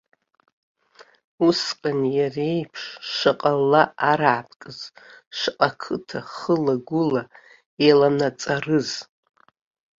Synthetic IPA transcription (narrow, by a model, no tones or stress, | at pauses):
usqʼanjarejpʰʂʂɨqʼalːaːɾaʕapʰkʼɨz̥ʂqʼakʰɨtʰaχəlaɡʷʊla | elanat͡sʼarɨz